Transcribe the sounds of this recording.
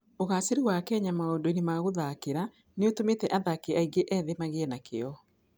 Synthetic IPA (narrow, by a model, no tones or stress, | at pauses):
oɣaːseɾewakɛːɲamaondoinemaɣoðakeɾa | neotometɛʔaðakeaiɡeʔɛːðemaɣeɛnakeɔ